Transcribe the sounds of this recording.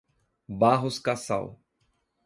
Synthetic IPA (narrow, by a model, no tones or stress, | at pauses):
baɦʊskasa̰w